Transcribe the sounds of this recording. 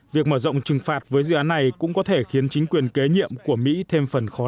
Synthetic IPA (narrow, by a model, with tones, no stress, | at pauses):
vi˨˩ək̚məː˧˩zɔ̰˧˨wŋ͡mt͡ɕɨ˨˩ŋfaː˨˩t̚vəː˨˦jzɨ̰˧˨ʔaː˨˦nːa˨˩jkʊ̰˧˥ŋ͡mkɔ˨˦t̪ʰe˧˩xi˨˦ənt͡ɕï˨˦ŋ̟kwi˨˩ənke˨˦ɲḭ˧˨əmku˧˩əmḭ˧˥t̪ʰe˧mfə˨˩nxɔ˨˦